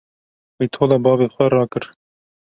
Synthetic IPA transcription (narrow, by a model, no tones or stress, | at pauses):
wejt̪ʰoːlɑːbɑːbeːxwɛɾɑːkɨɾ